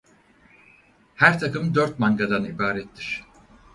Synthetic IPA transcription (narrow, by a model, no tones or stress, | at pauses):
hæɾt̪ʰakʰɯmd̪øɾt̪̚maŋɡad̪anibaːɾɛt̪ʰːiɾ̥